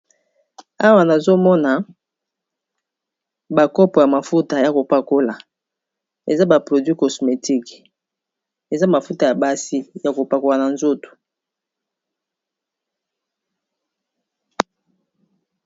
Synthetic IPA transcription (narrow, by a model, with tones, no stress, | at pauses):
a˦wa˨na˨zo˦mɔ˦na˨ | ba˨kɔ˦pɔ˨ja˨ma˨fu˦ta˨ja˨ko˨pa˨ko˦la˨ | ḛ˨za˦ba˨pʁo˨dwi˦kɔ˨sme˨ti˦k | e˨za˦ma˨fu˦ta˨ja˨ba˦si˦ja˨ko˨pa˨ko˨la˨na˨nzo˦tu̥˨